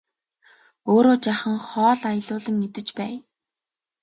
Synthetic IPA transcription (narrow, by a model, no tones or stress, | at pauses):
oːɾoːt͡ɕaχə̆ŋχɔːɮaj̆ɮʊːɮə̆ŋet̪ɘ̆t͡ɕpæː